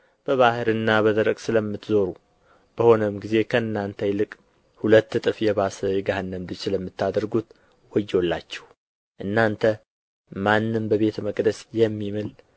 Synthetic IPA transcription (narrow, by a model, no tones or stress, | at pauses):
b̥əβahɨɾɨnːaβəd̪əɾəɡʼsɨləmːɨt̪zo̞ɾu | b̥əho̞nəmɡize̞kʰəɨnːant̪ʰəjlɨkʼ | hulət̪ːɨt̪ʼɨfjɛβasəjɛɡahɨnːəmd̪ɨt͡ʃsɨləmːɨt̪ːad̪əɾɡut̪ | wɔjːolːa̰t͡ʃːɛ̥h | ʔɨnːant̪ʰə | manːɨmbəβe̞t̪ʰəməkʼd̪əsjɛmːimɨl